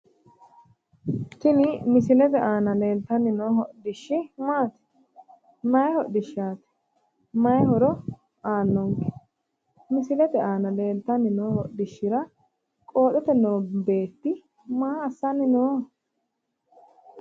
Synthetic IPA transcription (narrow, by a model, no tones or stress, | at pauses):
t̪ɪnɪmɪsɪlɛt̪ɛʔaːnɐle̞ːlt̪ɐnɪnoːɦɔʔd̪ɪʃːɪmaːt̪ɪ̥ | mɐjɛhɔʔd̪ɪʃaːt̪ɛ̥ | mɐjhɔɾɔ | aːnːɔŋkɛ̥ | mɪsɪlɛt̪ɛʔaːnɐle̞ːlt̪ːɐnɪnoːhɔʔd̪ɪʃːɪɾɐ | kʼo̞ːt̪ɛt̪ɛnoːbe̞ːt̪ːɪ | maːɐsːɐnɪnoː